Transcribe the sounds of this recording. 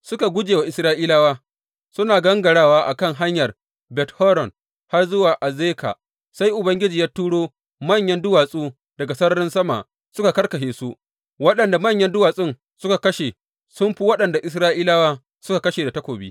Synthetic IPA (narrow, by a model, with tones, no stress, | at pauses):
sʊ˦ka˨ɡʷʊ˦d͡ʒeː˨wa˨ʔɪ˨sɾaː˦ʔiː˦laː˦waː˦ | sʊ˦naː˨ɡɐ˦ŋɡɐ˨ɽaː˦˨waː˦ʔa˨kɐ˦˨ŋɦa˦ɲjɐ˨r | bɛ˨thɔː˦ɾɔ˨n | ha˦rzʊ˦waː˨ʔa˨zeː˦ka̰˨ | sa˦jʔʊ˨bɐ˦ŋɡʲɪ˦d͡ʒiː˨jaː˦tːuː˦ɽoː˦ | mɐ˦˨ɲjɐ˦ndʊ˦waː˨sʼuː˦ | dɐ˨ɡa˨sɐ˦ɾɐ˦ɾɪ˦nsɐ˦ma̰˨ʔ | sʊ˦ka˨kɐ˦rkɐ˨ʃeː˨su˦ʔ | wɐ˦ɗɐ˨nda˨mɐ˦˨ɲjɐ˦ndʊ˦waː˨sʼɪ˦˨n | sʊ˦ka˨kɐ˦ʃe˨ | sʊ˦mɸi˦wɐ˦ɗɐ˨nda˨ʔɪ˨s̬ɾaː˦ʔiː˦laː˦waː˦ | sʊ˦ka˨kɐ˦ʃeː˨da˨tɐ˦kʷoː˨bḭː˦